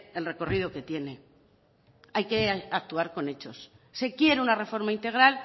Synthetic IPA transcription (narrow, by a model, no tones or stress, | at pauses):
e̞lre̞ko̞rið̞oke̞t̪je̞ne̞ | ajke̞ak̚t̪uaɾko̞ne̞t͡ʃo̞sse̞kje̞ɾunare̞fo̞ɾmaint̪e̞ɣ̞ɾal